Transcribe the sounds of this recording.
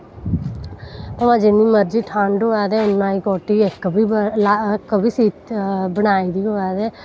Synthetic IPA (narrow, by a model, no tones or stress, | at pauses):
əʋãːd͡ʒɪnːiːməɾd͡ʒiːʈʰãːɳɖɦoːɛːd̪ɛːʊnːãːiːkoːʈiːɪkːbiːlakːbiːsiːt̪bənaːiːd̪iːɦoːaːd̪ɛː